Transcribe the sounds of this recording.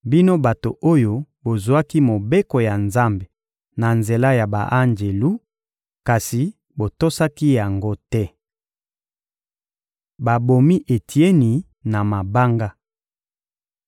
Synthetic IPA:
bi˦no˦ba˨to˨o˦jo˦bo˨zu˨a˦ki˦mo˨be˦ko˨ja˨nza˦mbe˨ | na˨nze˨la˦ja˨ba̰˨ʔa˦ŋd͡ʒe˨lu˦ | ka˨si˨ | bo˨to˦sa˦ki˦ja˨ŋɡo˦tɛ˦ | ba˨bo˨mi˦ʔe˨tʰi˨e˦ni˨ | na˨ma˨ba˦ŋɡa˦

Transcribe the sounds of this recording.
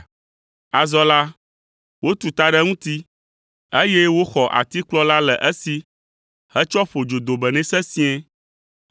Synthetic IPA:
a˨zɔ˦la˦ | wo˦t̪u˨t̪a˨ɖɛ˦ŋũ˦t̪i˦ | e˦jɛ˦wo˦xɔ˨ʔa̰˨t̪i˦k͡plɔ˦la˦lɛ˨ʔɛ˦si˦ | hɛ˦t͡ʃɔ˦ɸo˨d͡ʒo˨d̪o˨bɛ˨nɛ̃˦sɛ˦sĩ˦ɛ̃˦

